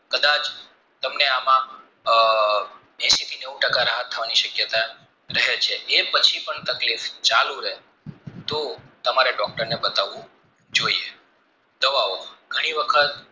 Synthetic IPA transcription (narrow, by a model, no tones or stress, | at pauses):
kəd̪at͡ʃ | t̪əmneamã | mɛ̃sit̪ʰineũʈəkaɾaɦət̪ʰːəʋaniʃəkjət̪a | ɾəɦet͡ʃʰeʔepət͡ʃʰipəɳt̪əklift͡ʃalũɾəɦe | t̪ot̪əmaɾeɖɔk̚ʈəɾnebət̪aʋũ | d͡ʒoie | d̪əʋaoɡʱəɽ̃iʋəkʰət̪